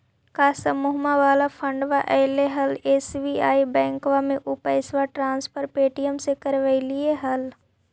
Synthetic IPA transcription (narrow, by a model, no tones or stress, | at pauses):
kaːsəmuɦmaʋaːlapʰə̃ɳɖʋaʔɛːleɦɐleːsʋiaːibɛ̃ːŋkʋamẽʔʊpaɪsʋaʈɾãːnspʰəɾpeːʈijəmsekəɾʋəilieɦɐl